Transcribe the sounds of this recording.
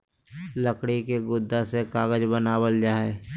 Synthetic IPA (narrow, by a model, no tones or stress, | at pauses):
ləkɽikeɡʊd̪ːasekaːɡəd͡ʒbənaːwəld͡ʒaːe